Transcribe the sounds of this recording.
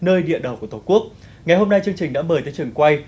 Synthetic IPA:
nəː˧jɗḭ˧˨ənɗə˨˧˩wku˧˩t̪o˨˧˩ku˦˥ək̚ | ŋa˨˩jɦo˧mna˧jt͡ɕɨ˧əŋt͡ɕï˨˩ŋ̟ɗa̰ː˧˥məː˧˩jt̪əː˨˦jt͡ɕɨ˨˩əŋkwa˧j

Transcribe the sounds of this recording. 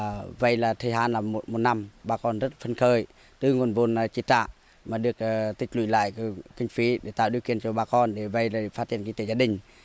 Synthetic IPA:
və̰˧˨jlaː˨˩t̪ʰə˨˧˩ɦaː˧˨nlaː˨˩mo˨˩t̚mo˨˩t̚na˧mɓaː˨˩kɔ˧˩nzə˦˥t̚fə˧nxəː˧˩j | t̪ɨ˧˩ŋu˨˩ənvo˨n˨t͡ɕi˧˦t͡ɕa̰ː˧˨ʔ | maː˨˩ɗɨ˨˩ək̚ːt̪ï˨˩k̟̚lwḭ˧˨la̰ː˧˨jkï˧ŋ̟fi˨˦ɗe˧˩t̪a̰ː˧˨wɗi˧əwki˧˨ənt͡ɕɔ˧ɓaː˨˧˩kɔ˧nɗe˧˩və˧˨jlːfaː˦˥t̚t͡ɕi˧˨ənki˧ŋt̪e˨˦zaː˧ɗï˨˩ŋ̟

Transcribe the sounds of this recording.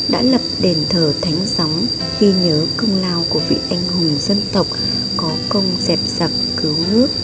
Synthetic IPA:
ɗa̰ː˧˥lə˨˩p̚ɗe˨˩nt̪ʰəː˧˩t̪ʰa˨˦jŋ̟za˨˦wŋ͡m | xi˧ɲəː˨˦kɨ˧ŋ͡mlaː˧wku˧˩əvḭ˧˨ʔa˧jŋ̟hʊ˨˩ŋ͡mzə˧nt̪ə˨˩wk͡p̚ | kɔ˨˦kə˧wŋ͡mzɛ˨˩p̚z̥ə˨˩p̚kɨ˨˦wnɨ˦˥ək̚

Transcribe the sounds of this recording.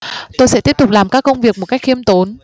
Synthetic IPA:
t̪o˧jsɛ̰˧˥t̪i˦˥əp̚t̪k͡p̚laː˨˩mkaː˦˥kːə˧wŋ͡mvi˨˩ək̚mo˨˩t̚ka˦˥k̚xi˧əmt̪o˨˦n

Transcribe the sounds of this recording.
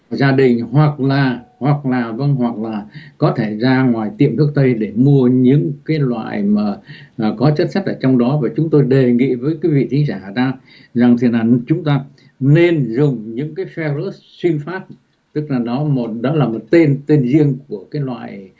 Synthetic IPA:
zaː˧ɗï˨˩ŋ̟hwa˨˩k̚laː˨˩hwa˨˩k̚laː˨˩və˧nɦwa˨˩k̚laː˨˩kɔ˨˦t̪ʰe˧˩zaː˧ŋwaː˨˩jt̪ḭ˨˧˩əmt̪ʰɨ˦˥ək̚t̪ə˧jɗe˧˩mu˧əɲɨ̰˧˥ŋkaː˨˦jlwa̰ː˧˨jmaː˨˩˨kɔ˨˦t͡ɕə˦˥t̚sa˦˥t̟̚ʔəː˧˩t͡ɕwŋ͡mɗɔ˨˦vaː˨˩t͡ɕʊ˨˦ŋ͡mt̪o˧jɗe˨˩ŋḭ˧˨vəː˨˦jkwi˨˦vḭ˧˨t̪ʰï˨˦ŋ̟zaː˧˩˨zaː˧ | za˨˩ŋt̪ʰi˨˩ənʔaː˨˩nt͡ɕʊ˨˦ŋ͡mt̪aː˧ | ne˧nzʊ˨˩ŋ͡mɲɨ̰˧˥ŋkaː˨˦jfɛ˧wlə˦˥s | swi˧nfaː˦˥p̚ | t̪ɨ˦˥k̚laː˨˩ɗɔ˨˦mo˨˩t̚ɗɔ˨˦laː˨˩mo˨˩t̚t̪e˧nt̪e˧nzi˧əŋku˧˩əkaː˨˦jlwa̰ː˧˨j

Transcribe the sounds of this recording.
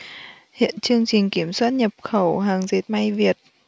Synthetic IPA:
hḭ˧˨ənt͡ɕɨ˧əŋt͡ɕï˨˩ŋ̟ki˧˩əmswaː˦˥t̚ɲə˨˩p̚xə˧˩wɦaː˨˩ŋze˨˦˥t̚ma˧jvi˨˩ət̚

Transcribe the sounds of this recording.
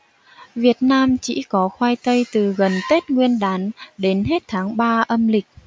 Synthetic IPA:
vi˨˩ət̚naː˧mt͡ɕḭ˧˥kɔ˨˦xwaː˧jt̪ə˧jt̪ɨ˨˩ɣə˨˩nt̪e˦˥t̚ŋwi˧ənɗaː˨˦nɗe˨˦nɦe˦˥t̚t̪ʰaː˨˦ŋɓaː˧ʔə˧mlï˨˩k̟̚

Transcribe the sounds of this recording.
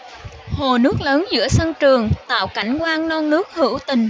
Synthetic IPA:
ho˨˩nɨ˦˥ək̚ləː˨˦nzɨ̰˧˥əsə˧nt͡ɕɨ˨˩əŋt̪a̰ː˧˨wka˧˩jŋ̟kwaː˧ŋnɔ˧nnɨ˦˥ək̚hɨ̰˧˩wt̪ï˨˩ŋ̟

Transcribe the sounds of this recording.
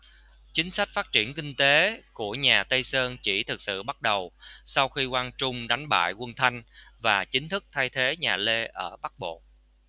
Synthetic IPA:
t͡ɕï˨˦ŋ̟sa˦˥k̟̚faː˦˥t̚t͡ɕi˧˩ənkï˧ŋ̟t̪e˨˦ku˧˩əɲaː˨˩t̪ə˧jsəː˧nt͡ɕi˧˩t̪ʰɨ˨˩k̚sɨ̰˧˨ɓa˦˥t̚ɗə˨˩wsa˧wxi˧kwaː˧nt͡ɕʊ˧ŋ͡mɗa˨˦jŋ̟ɓa̰ː˧˨jkwə˧nt̪ʰa˧jŋ̟vaː˨˩t͡ɕï˨˦ŋ̟t̪ʰɨ˦˥k̚t̪ʰa˧jt̪ʰe˨˦ɲaː˨˩le˧ʔəː˧˩ɓa˦˥k̚ɓo̰˧˨

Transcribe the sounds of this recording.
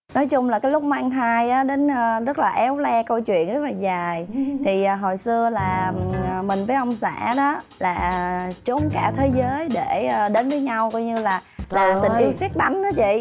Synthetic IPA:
nɔ˨˦jt͡ɕʊ˧ŋ͡mlaː˨˩kaː˨˦jlʊ˦˥k͡p̚maː˧ŋɦaː˧jʔaː˨˦ɗe˨˦nəː˧zə˦˥t̚laː˨˩ʔɛ˨˦wlɛ˧kə˧wt͡ɕwḭ˧˨ənzə˦˥t̚laː˨˩zaː˨˩jt̪ʰi˨˩ʔɦo˨˩jsɨ˧əlaː˨˩˨mï˨˩ŋ̟vəː˨˦jʔə˧wŋ͡msa̰ː˧˥ɗɔ˨˦ | laː˨˩t͡ɕo˨˦ŋ͡mkaː˧t̪ʰe˨˦zəː˨˦jɗe˧˩˨ɗe˨˦nvəː˨˦jɲa˧wkɔ˧jɲɨ˧laː˨˩laː˨˩t̪i˨ŋ̟ʔi˧wsɛː˦˥k̚ɗa˨˦jŋ̟ʔaː˨˦t͡ɕḭ˧˨

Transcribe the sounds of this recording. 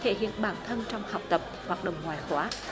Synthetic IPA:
t̪ʰe˧˩hḭ˧˨ənɓaː˧˩nt̪ʰə˧nt͡ɕɔ˧wŋ͡mha˨˩wk͡p̚t̪ə˨˩p̚hwaː˨˩t̚ɗə̰˧˨wŋ͡mŋwaː˨˩jxwaː˨˦

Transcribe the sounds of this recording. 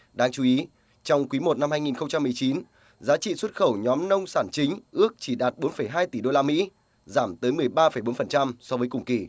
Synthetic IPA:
ɗaː˧ŋt͡ɕu˨˦ʔi˨˦ | t͡ɕɔ˧wŋ͡mkwi˨˦mo˨˩t̚na˧mhaː˧jŋi˨˩nxə˧wŋ͡mt͡ɕa˧mːɨ˨˩əjt͡ɕi˨˦n | zaː˨˦t͡ɕḭ˧˨swə˦˥t̚xə˧˩wɲɔ˨˦mnə˧wŋ͡msaː˧˩nt͡ɕï˨˦ŋ̟ʔɨ˦˥ək̚t͡ɕi˧˩ɗaː˨˩t̚ɓo˨˦nfə˧˩jɦaː˧jt̪i˧˩ɗo˧laː˧mḭ˧˥ | zaː˧˩mt̪əː˨˦jmɨ˨˩əjɓaː˧fə˧˩jɓo˨˦nfə˨˩nt͡ɕa˧msɔ˧vəː˨˦jkʊ˨˩ŋ͡mki˧˩

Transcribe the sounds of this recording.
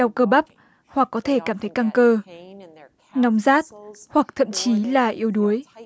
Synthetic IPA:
ɗa˧˩wkəː˧ɓa˦˥p̚ | hwa˨˩kːɔ˨˦t̪ʰe˧˩kaː˧˩mt̪ʰə˨˦jka˧ŋkəː˧ | nɔ˨˦wŋ͡mzaː˦˥t̚hwa˨˩k̚t̪ʰə̰˧˨mt͡ɕi˨˦laː˨˩ʔi˧əwɗu˨˦əj

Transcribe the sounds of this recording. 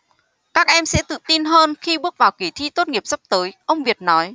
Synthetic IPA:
kaː˦˥k̚ʔɛ˧msɛ̰˧˥t̪ɨ̰˧˨t̪i˧nɦəː˧nxi˧ɓɨ˦˥ək̚vaː˨˩wki˧˩t̪ʰḭ˧˥t̪o˦˥t̚ŋi˨˩əp̚sə˦˥p̚t̪əː˨˦jʔə˧wŋ͡mvi˨˩ət̚nɔ˨˦j

